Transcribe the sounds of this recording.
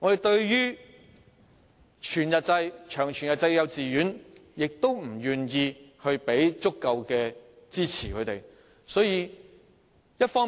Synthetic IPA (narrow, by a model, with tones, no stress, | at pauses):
ŋɔ˨˧t̪e˨jt̪ɵ˧ɥjyː˥ | t͡ʃʰyː˨˩njɐ˨t̚t͡sɐ˧jt͡ʃʰœː˨˩ŋt͡ʃʰyː˨˩njɐ˨t̚t͡sɐ˧jjɐ˨˧wt͡siː˨jyː˨˥njɪ˨k̚t̪o˥wm̩˨˩jyː˨njiː˧hɵ˧ɥpe˨˥jt͡sʊ˥kːɐ˧wkɛː˧t͡siː˥t͡sʰiː˨˩kʰɵ˨˧t̪e˨˩j | sɔː˨˥jiː˧ | jɐ˥t̚fɔː˥